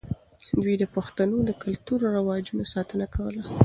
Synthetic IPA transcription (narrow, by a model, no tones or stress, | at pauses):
d̪wid̪əpaxt̪anod̪əkʊlt̪uɾɾawɑd͡ʒunasɑt̪ənakawəla